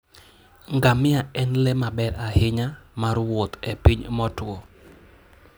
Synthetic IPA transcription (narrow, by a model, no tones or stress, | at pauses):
ŋɡamɪaɛnlɛmabɛɾahɪɲamaɾwot̪epiɲmɔtwo